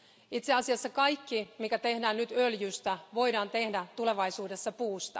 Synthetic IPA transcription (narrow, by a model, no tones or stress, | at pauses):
it̪seɑsiɑsːɑkɑjkːimikæt̪e̞hdæːnnyt̪øljyːst̪æʋo̞idɑːnt̪e̞hdæt̪ule̞ʋɑjsuːde̞sːɑpuːst̪ɑ̰